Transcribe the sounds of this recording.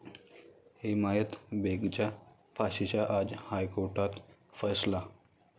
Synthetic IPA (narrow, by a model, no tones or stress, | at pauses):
hemajət̪beɡt͡ɕja | faɕit͡ɕaʔad͡zhajkoɾʈat̪fəsla